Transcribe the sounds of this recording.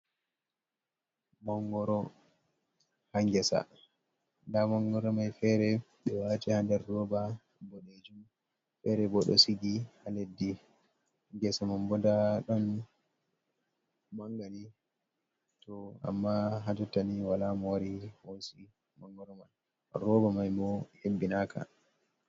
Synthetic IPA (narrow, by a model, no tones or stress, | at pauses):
mɔŋɡɔɾɔ | haŋɡɛsa̰ | ndamɔŋɡɔɾɔmajfɛɾɛ | ɓɛwatihandɛɾdɔba | bɔɗed͡ʒum | fɛɾɛbɔɗɔ̰siɡihaledːi | haŋɡɛsamambɔndaɗɔn | maŋɡani | tɔa̰mːaɦad͡ʒɔtːaniwalamɔwaɾihosi | maŋɡɔɾman | rɔbamajmɔhebːinakʰa̰